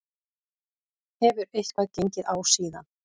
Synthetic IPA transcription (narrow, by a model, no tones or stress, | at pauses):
hɛvʏɾejhkvaðcejɲcɪðawsiːða̰n